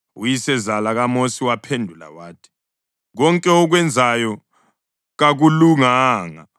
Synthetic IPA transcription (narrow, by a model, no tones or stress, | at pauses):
ujisɛzalaɣamosiwapʰendʱula̰waːtʰi̥ | ɣɔŋkʼɛɔɣ̬wɛnd͡zʱajɔ | ɣaɣuluŋaːŋa̰